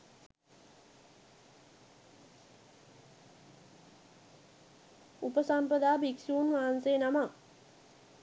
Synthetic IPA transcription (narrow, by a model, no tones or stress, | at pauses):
upəsampəd̪aːbiksuunʋaːansenama